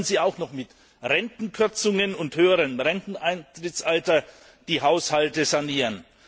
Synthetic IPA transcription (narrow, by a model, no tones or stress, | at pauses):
nziːaʊxnɔχmɪt | ʁɛntn̩kʰʏɐt͡sʊŋənʊnthøːəʁəmʁɛntn̩ʔaɪntʁ̥ɪtsʔaltɐ | d̥iːɦaʊshaltəzaniːʁən